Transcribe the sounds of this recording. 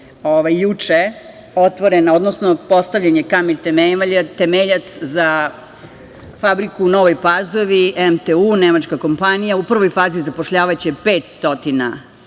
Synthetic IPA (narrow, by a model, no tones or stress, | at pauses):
oʋajːut͡ʂe | o̞t̪ʋo̞ɾenao̞d̪nosno̞po̞st̪aʋʎaɲekameʎʲt̪emeaʎat̪emeʎat̪sza | fabɾikuːno̞ʋo̞jpazo̞ʋiemt̪euːnemat͡ʃkako̞mpanijaupr̩ʋo̞jfaːzizapoʃʎaːʋat͡ɕepeːt̪st̪o̞t̪ina̰